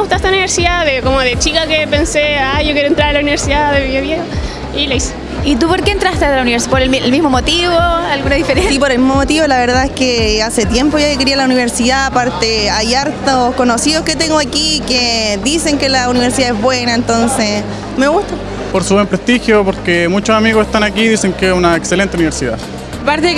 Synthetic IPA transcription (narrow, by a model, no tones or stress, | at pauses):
ɣut̪ast̪auniβeɾsiðaðekomoðet͡ʃikakepenseajʝokjeɾoent̪ɾaɾelauniβeɾsiðaðeβiðjoβjexo | ilajs | it̪̬upoɾkeːnt̪ɾast̪eðelauniβeɾspoɾellmizmomot̪iβoalɣunaðifeɾeipoɾelmizmomot̪iβolaβeɾðaehkeaset̪je̞mpo̞ʝaokeɾialauniβeɾsiðaːpaɾt̪eajaɾt̪oskonosiðosket̪eŋɡoakikeðise̞ŋkelauniβeɾsiðaezβwenaent̪o̞nse | meɣuht̪a | poɾsuβwempɾest̪ixjopoɾkemut͡ʃosamiɣoseht̪anakiðise̞ŋkeesunaekselent̪euniβeɾsiða̰ | paɾt̪e